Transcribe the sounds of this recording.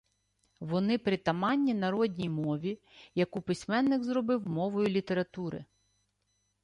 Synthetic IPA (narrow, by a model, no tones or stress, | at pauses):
ʋɔnɪpɾɪt̪ɐmɑnʲːinɐɾɔdʲnʲijmɔʋʲi | jɐkupɪsʲmɛnːɪɡzɾɔbɪwmɔʋɔjʊlʲit̪e̞ɾɐt̪uɾɪ̰